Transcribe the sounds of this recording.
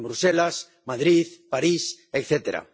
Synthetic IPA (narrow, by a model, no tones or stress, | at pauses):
mbɾuselas | maðɾiθpaɾis | ekθet̪eɾa̰